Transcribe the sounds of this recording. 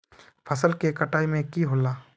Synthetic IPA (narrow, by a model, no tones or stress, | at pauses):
pʰɐsəlkekɐʈaːimẽkiɦoːlaː